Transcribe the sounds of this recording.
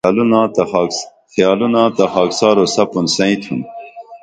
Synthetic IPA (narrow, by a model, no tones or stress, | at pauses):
alunaːt̪ːxijaːlunaːt̪ɐxaːksaːɾosɐpunsɐ̃ĩt̪ʰṵn